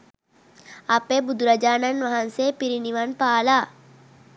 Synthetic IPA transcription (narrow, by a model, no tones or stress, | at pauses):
ɐpebud̪ɾɐd͡ʒaːnɐnʋɐɦɐ̃nsepiɾiniʋɐnpaːlaː